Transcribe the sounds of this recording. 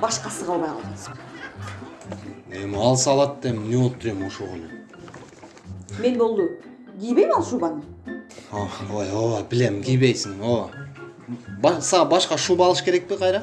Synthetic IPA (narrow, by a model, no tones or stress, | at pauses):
bɑʃqɑsəʁɑlˠbɑjqʰɑlˠʁɑnsə̥q | emɪɑlˠsɑlˠɑt̪ːemneolˠəp̚t̪ʰɾe̞moʃuʁonə | me̞nbolˠd̪ə | ɡʲijbejmɑlˠʃubɑnə | oojobɪlemɡʲijbejsɪŋo | bɑsɑʁɑbɑʃqɑʃubɑːlˠəʃkʲʰe̞ɾek̚peqʰɑjɾɑ